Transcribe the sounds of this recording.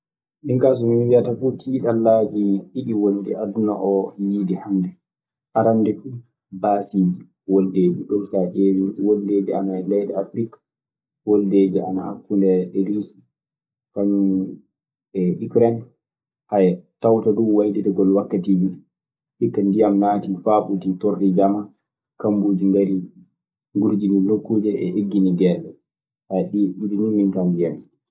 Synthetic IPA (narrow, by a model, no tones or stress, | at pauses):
ɗiŋkas̬ɔmiwiatafutʰiɗalːaːd͡ʒiʔiɗiwoldɛʔaduna̰ʔɔjidihamdɛ | ʔaɾandɛfu | baːsid͡ʒi | woldeːd͡ʒuɗɔɾsaʔewiwolːeːd͡ʒia̰naɛlɛjɗɛafɾikḁ | wolːeːd͡ʒia̰na̰a̰kːundɛɗɛlisi | kaɲ | ɛʔikɾɛn | hajɛtawtaduwajditɛɡɔlwakːatibi | hikːandijamnaːtifaɓutitoɾɗid͡ʒama | kambud͡ʒindeli | ŋɡuɾd͡ʒinilokːud͡ʒɛɛ̰ʔeɡːiniɡɛɗɔ | aɗiɗud͡ʒuɲumintandijam